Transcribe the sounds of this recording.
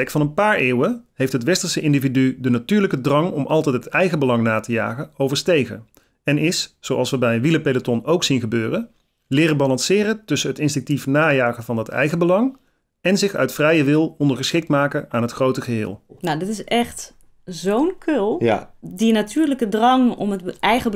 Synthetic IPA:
ɛktfɑnənpaːɹɪːwəɦejftɦətʋɛstəɹsəɪndividydənatyːɹləkədrɑŋɔmʔɑlˠtɛjt̚ətɛjɣəbəlɑŋnaːtəja̰ːχəowvəɹstejɣə̰ | ɛnɪssowʔɑlˠsʋəbɛjənʋiləpelətɔnowksinχəbøːrə | lɪːrəbɑlɑnsɪːrətɵsənɦətɪnstɪŋk̚tifnaːjaːɣəvɑndɑtɛ̰jɣəbəlɑŋ | ɛnzɪχœ̰ɥtfrɛjəʋɪlˠɔndəɹχəsχɪk̚tmaːkəaːnɦətxrowtəɣəɦɪ̰ːlˠnadɪtɪsɛxt | zownkʰølˠdinatʰyːɹləkədrɑŋɔ̰məɛjɣə

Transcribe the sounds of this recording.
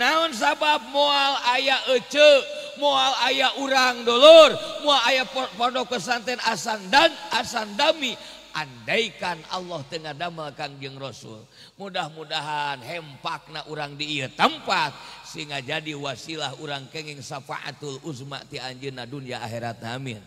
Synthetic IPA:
naɔns̬abap̚mɔalajaʔət͡ʃəmɔalajaʔuɾaŋdɔlɔrmualajappɔdɔkəs̬ant̪ɛnasandanasandami | ʔandaikana̰lːɔht̪əŋadaməlkaŋd͡ʒɨŋrɔsṵl | mudahmudaɦanɦɛmpak̚naʔuɾaŋdiːət̪əmpat̪̚siŋad͡ʒadiwasilaɦuɾaŋkɛŋɛŋsapa̰ʔa̰t̪uluzma̰ʔt̪iaɲd͡ʒənadunijaːɦɛɾat̪̚naːmḭn

